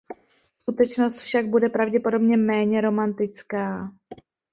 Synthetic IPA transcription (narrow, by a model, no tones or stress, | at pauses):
skut̪ɛt͡ʃno̞st̪fʃaɡ̚budɛpɾavɟɛpo̞do̞bɲɛmɛːɲɛɾo̞mant̪ɪt͡skaː